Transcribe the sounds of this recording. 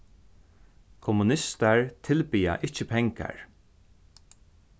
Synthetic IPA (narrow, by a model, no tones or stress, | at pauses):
kʰɔmʊnɪst̪aɹt̪ʰɪlpiːa̰ʔɪt͡ʃəpʰɛŋka̰ɹ